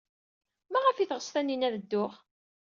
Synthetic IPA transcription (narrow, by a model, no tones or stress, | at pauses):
mæʁəfiθʁəsˤθænːinæðəd̪ːʊʁ